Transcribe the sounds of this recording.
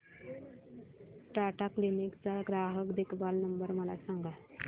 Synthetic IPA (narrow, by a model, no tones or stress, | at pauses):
ʈaʈaklinikt͡saɡɾaɦəkd̪ekʰbalnəmbəɾməla̰saŋɡa